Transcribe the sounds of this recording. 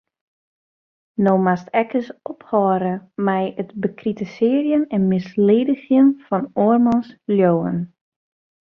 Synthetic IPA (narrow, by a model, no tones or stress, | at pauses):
noːmastɛkʰəsɔphɔːɾəmɛjətbəkritəsɪːərjənɛnmɪsleːdəxjənfɔnoːrmɔnsljoːə̰n